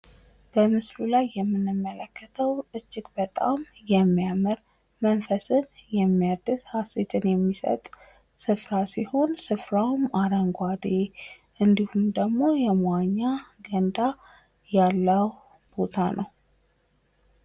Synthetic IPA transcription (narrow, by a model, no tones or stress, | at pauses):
b̥əmɨslulajːɛmːɨnːɨmːələkːət̪ʰəwɨt͡ʃːɪkʼbət̪ʼa̰mjɛmːijamɨɾ | mənfəsɨnjɛmːiad̪ɨshaset̪ʰʼɨnjɛmːisə̰t̪ʼ | sɨfɾasiho̞nsɨfɾawmaɾəŋɡʷad̪e | ʔɨnd̪ihumd̪əɡmo̞jɛmaɲːaɡənd̪a | jalːəw | b̥o̞t̪ʰanʔəw